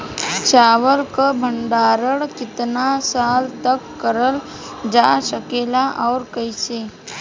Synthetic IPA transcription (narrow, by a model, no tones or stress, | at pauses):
t͡ʃaːʋəlkabʱə̃ɳɖaːɾəɽkɪt̪nasaːlt̪əkːəɾəl | d͡ʒaːsəkeːlaʔɔːɾkəɪseː